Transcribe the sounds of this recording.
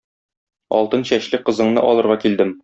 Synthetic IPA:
ɒ̰lˠt̪ɤnɕæɕlɘqɤ̆zɤ̆ɴnɤ̰ʔɒlˠɤ̆ɾʁɑkild̪ɘm

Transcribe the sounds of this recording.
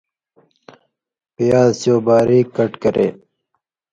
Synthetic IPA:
pijaːsijoːbaːɾiːkːɐʈkɐɾḛː

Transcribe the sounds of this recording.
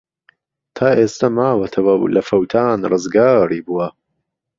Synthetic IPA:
t̪ʰaːʔeːst̪ɐmaːwɐt̪ʰɐwɐ̰lɐfɐwt̪ʰaːnrɨzɡaːriːbuwɐ

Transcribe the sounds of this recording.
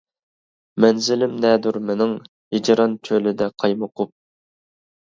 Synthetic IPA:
mɛnzɪlɪmnɛd̪uɾmenɪŋ | hid͡ʒɾɑnt͡ʃʰølɪd̪ɛqʰɑjmʊqʰʊp̚

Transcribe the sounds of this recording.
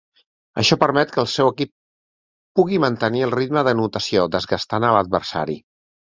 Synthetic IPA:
ə̰ʃɔpəɾmɛt̪kəːlˠsɛwəkip̚ː | uɣimənt̪əniəlˠrit̪məðənut̪əsiod̪əzɣast̪anələd̪̚βəɾsa̰ɾḭ

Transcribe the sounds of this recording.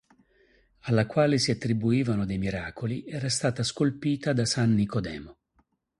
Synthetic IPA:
alːakwaːlesiat̪ːɾibuiːvanod̪ejmiɾaːkoliʔɛːɾast̪aːt̪askolpiːt̪ad̪asanːikod̪ɛ̰ːmo

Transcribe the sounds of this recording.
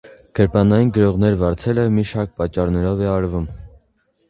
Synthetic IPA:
ɡ̥əɾpɑnɑjinɡəɾɔʁn̪ɛɾvɑɾt͡sʰɛləmiʃɑɾk̚pɑt͡ʃːɑɾnɛɾɔvɛɑɾvum

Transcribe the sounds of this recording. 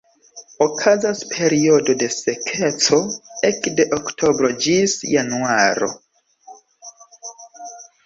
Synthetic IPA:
okʰazaspʰe̞ɾio̞do̞de̞se̞kʰe̞t͡so̞ekde̞ʔoktʰo̞bɾo̞d͡ʒisjanuaɾo̞̰

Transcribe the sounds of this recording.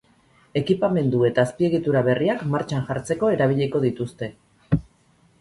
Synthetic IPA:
e̞kipame̞nd̪ue̞t̪aːspie̞ɣ̞it̪uɾaβe̞riakmaɾt͡ʃanʝaɾt͡se̞ko̞e̞ɾaβ̞iʎeko̞ðit̪ust̪e̞

